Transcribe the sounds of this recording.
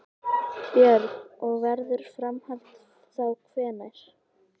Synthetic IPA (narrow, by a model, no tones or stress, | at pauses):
pjɛɾɔɣvɛɾðʏɾ̥fɾamhalt̪ | θawkʰvɛːnajɾ̥